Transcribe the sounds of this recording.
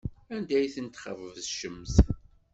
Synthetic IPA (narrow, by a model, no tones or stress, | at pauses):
ænd̪æjθənt̪χəvvəzʃəmːθ